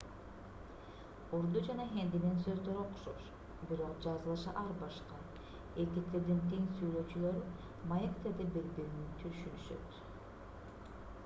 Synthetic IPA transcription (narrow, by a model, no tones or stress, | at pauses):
oɾd̪ud͡ʒɑnɑɦend̪inensø̞zd̪øɾo̞qu̥ʃo̰ʃ | biɾo̞qd͡ʒɑzɯlˠɯʃɯʔɑɾbɑʃqɑ | et̪ekt̪e̞ɾd̪eŋk̬ʲejinsyjlø̞t͡ʃylø̞ɾ | mɑjekt̪e̞ɾd̪ebeɾbiɾynynt̪ʰyʃynyʃø̰t̪